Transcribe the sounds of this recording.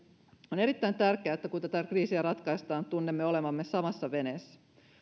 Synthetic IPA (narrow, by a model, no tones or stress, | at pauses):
one̞ɾit̪ːæjnt̪ærkeæːet̪ːækunt̪æt̪ækriːsiæɾɑt̪kɑjst̪ɑːnt̪unːemːeo̞le̞mɑmːesɑmɑsːɑʋe̞nesːæ̥